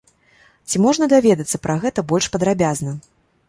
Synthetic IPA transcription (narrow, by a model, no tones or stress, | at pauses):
t͡sʲimɔʐnɐd̪avʲɛd̪ɐt̪sːɐpɾʔaɣɛt̪ɐbɔlʲʂpɐd̪ɾabʲaznɐ